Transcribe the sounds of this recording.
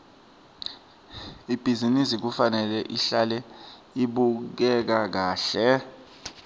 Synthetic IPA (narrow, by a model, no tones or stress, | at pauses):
ib̥ʱizinisik̬ufanɛlɛʔiɬalɛ | iɓuk̬ɛk̬ak̬aːɬɛ